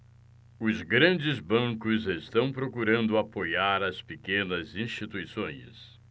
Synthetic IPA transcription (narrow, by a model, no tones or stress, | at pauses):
ʊzɡɾɐ̃nd͡ʒɪzbɐ̃kʊzest̪ɐ̃w̃pɾokuɾɐ̃nd̪ʊapojaɾɐspekẽnɐzĩst͡ʃit̪ujsõj̃s